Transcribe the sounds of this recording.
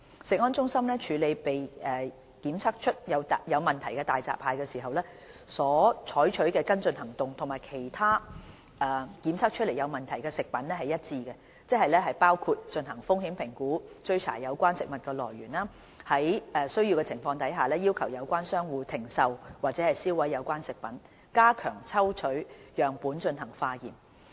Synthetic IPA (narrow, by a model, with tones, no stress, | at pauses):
sɪ˨k̚ŋɔː˥nt͡sʊ˥ŋsɐ˥mlɛ˥t͡ʃʰyː˨˧le˨˧jpe˨jʔɛ˨ | kiː˨˥msɐ˥k̚t͡ʃʰɵ˥t̚jɐ˨˧wt̪jɐ˨˧wmɐ˨nt̪ʰɐ˨˩jkɛ˧t̪aː˨˩jt͡sa̰ː˨pʰːaː˨˧jkɛ˧siː˨˩ɦɐ˨wlɛː˥ | sɔː˨˥t͡ʃʰɔː˨˥jt͡ʃʰɵ˨˥ɥkɛː˧kɐ˥nt͡sɵ˧nhɐ˨˩ŋt̪ʊ˨ŋt̪ʰʊ˨˩ŋmaː˨˩jkʰe˨˩jt̪ʰaː˥ | ʔɛ˧kiː˨˥msɐ˥k̚t͡ʃʰɵ˥le˨˩jɐ˨˧wmɐ˨˩nt̪ʰɐ˨˩jkɛː˧sɪ˨k̚pɐ˨˥nlɛ˥hɐ˨jːɐ˥t̚t͡siː˧kɛ˧ | t͡sɛ˥hɐ˨jlɛː˥ɦɐ˨jpaː˥wkʰu˧t̚t͡ʃɵ˧nɦɐ˨˩ŋfʊ˥ŋhiː˨˥mpʰɪ˨˩ŋkuː˨˥t͡ʃɵ˧ɥt͡sʰa̰ː˨˩jɐ˨˧wkʷaː˥nsɪ˨k̚mɐ˨˩t̚kɛː˧lɔː˨˩jɥyː˨˩naː˥ | hɐ˨˥jʔɛ˨˧sɵ˥ɥjiː˧wkɛː˧t͡sʰɪ˨˩ŋfɔː˧ŋt̪ɐ˨˥jɦaː˨lɛː˥jiː˥wkʰɐ˨˩wjɐ˨˧wkʷaː˥nsœː˥ŋwuː˨˧t̪ʰɪ˨˩ŋsɐ˨˧wwaː˨t̚t͡sɛː˨˥hɐ˨jsiː˥wɐ˨˥jːɐ˨˧wkʷaː˥nsɪ˨k̚pɐ˨˥n | kaː˥kʰœː˨˩ŋt͡sʰɐ˥wt͡ʃʰɵ˨˥ɥjœː˨ŋpuː˨˥nt͡ʃɵ˧nɦɐ˨˩ŋfaː˧jiː˨˩m